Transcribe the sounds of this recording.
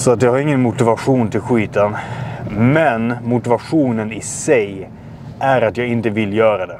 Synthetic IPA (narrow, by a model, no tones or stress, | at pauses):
sɔat̪jɑɡhaɾɪŋːənmʊt̪ɪvaɧuːnt̪ʰɪlɧiːt̪ən | mɛnmʊt̪ɪvaɧuːnənɪsɛj | ʔæɾat̪jɑːɡɪnt̪əvɪlːjœːɾad̪ɛ